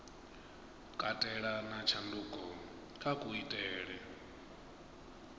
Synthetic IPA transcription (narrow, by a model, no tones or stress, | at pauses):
kʼatʼɛɺanat͡ʃʰanduːkʼɔ | kʰʼakʼuitʼɛːɺɛ